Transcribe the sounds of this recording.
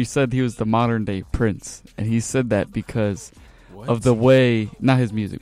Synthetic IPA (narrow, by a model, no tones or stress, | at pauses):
isɛd̚iwʌzðəmɑɾə̃˞ndeɪpʰɹ̥ɪ̃nsɨ̃nisɛd̪̚ðɨt̚b̥ɨkʰʌz̥ | ʌvðəweɪnət̚hɨzmjʉzɨ̰k̚